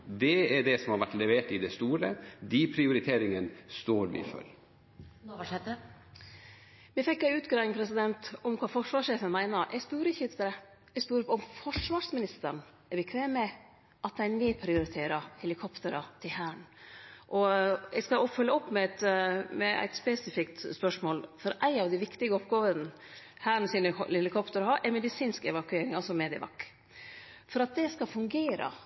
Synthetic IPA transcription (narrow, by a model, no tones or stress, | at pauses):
d̪ɛæɖɛsɔmhɑɾʋæʈːlɛʋeːʈɪd̪ɛst̪uːɾəd̪ipʰɾɪʊɾɪt̪ʰeːɾɪŋənst̪oːɾʋɪ̰fœ̰l | ɛt̪ːə | mɛfɛkːæʉːt̪ɡɾɑːɪŋpʰɾɛs̬ɪd̪ɛnt̪ɔmkʰʋɑːfɔʂʋɑːʂeːfənmæɪnɑɾʔɛɡspʉːɾɪçəət̪ɾə | ɛɡspʉːɾɔmfɔʂʋɑːʂmɪnɪst̪əɳ | æɾbɛkʰʋeːmɛ | ʔɑt̪̚d̪æɪnɪpʰɾɪʊɾɪt̪ʰeːɾɑhɛlɪkʰɔpt̪əɾɑt̪ʰɪlhæːɳʔɔɛɡskɑɔfʉlːəɔpːmɛt̪mɛæ̰ɪt̪spɛsɪfɪkt̪spœʂmoːlfɔɾʔæɪɑʋd̪ɪʋɪkt̪ɪɡəɔpɡoːʋən | hæːɳsinɛlɪkʰɔpt̪əɾhɑɾʔɛmɛd̪ɪsiːnskɛʋɑkʉeːɾɪŋɑsɔmeːd̪ɪə̰ʋɑ̰kː | fɔɾɑt̪̚d̪ɛskɑfʉŋɡeːɾə̰